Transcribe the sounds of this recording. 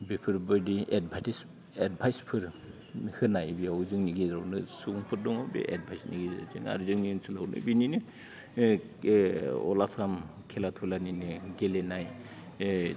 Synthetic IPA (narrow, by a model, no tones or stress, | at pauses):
bipʰɯɾbɯɾdied̚bʱatis | ed̚bʱajspʰɯɾ | hɯnajbiawzɯŋniɡizawnɯsuŋpʰɯɾdɔŋawbḛʔḛd̚bʱajsnḭɡiza̰zɯ̰ŋa̰ɾzɯŋninsʰɯlawnɯ̰bininɯ | ɔ̰lasamkʰelatʰulaninɯɡelenaj